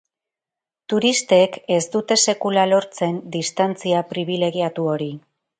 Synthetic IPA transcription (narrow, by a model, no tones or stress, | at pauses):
t̪uɾist̪e̞ke̞zd̪ut̪e̞se̞kulalo̞ɾt͡se̞nd̪ist̪ant͡siapɾiβ̞ile̞ɣiat̪uo̞ɾi